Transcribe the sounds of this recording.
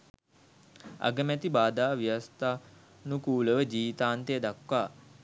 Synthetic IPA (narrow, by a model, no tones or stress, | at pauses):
a̰ɡəmæt̪ibaːd̪aːʋijast̪aː | nukuːləʋəd͡ʒiːʋit̪aːnt̪eəd̪akːaː